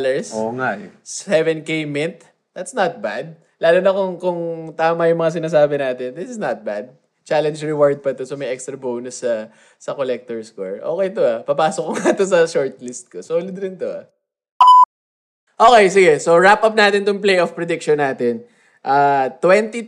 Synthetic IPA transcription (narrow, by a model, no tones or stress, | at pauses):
lɛɹsoŋaɛvɛnkejmɪnt̪̚ | d̪ɐt̪snɐt̪̚bad̪̚ | laːlonɐkoŋkʊŋt̪aːmɐjʊŋmɐŋas̬ɪnaːs̬aːbɪnaːt̪ɛnd̪ɪsɪsnɐt̪̚bad̪̚ | t͡ʃalɛnd͡ʒɹɪwaɹd̪̚pɐt̪osomɐjʔɛkst̪ɾɐbownʊsːɐ | sɐkolɛk̚t̪ɔɹskoɹʔoːkɛjt̪oɐpɐpaːsokoŋat̪os̬ɐʃoɹt̪̚lɪst̪̚kosolʊd̪ɾɪnt̪oɐ̰ | ʔoːkejsɪɡɛsoɹapʔɐp̚naːt̪ɪnt̪ʊŋplejʔofpɾɛd̪ɪk̚ʃɔnːaːt̪ɛn | ʔaːt̪wɛnt̪i